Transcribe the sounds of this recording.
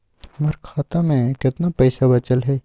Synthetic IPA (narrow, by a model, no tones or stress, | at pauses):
məɾkʰaːt̪amẽkɪt̪napɛjsabɐt͡ʃəlɦɛː